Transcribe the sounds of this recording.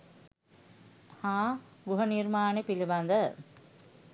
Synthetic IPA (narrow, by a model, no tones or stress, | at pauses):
hãːɡuɦəniɾmaːnepiliband̪ə